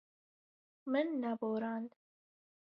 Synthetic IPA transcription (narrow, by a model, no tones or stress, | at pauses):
mɨnːaboːɾaːnd̪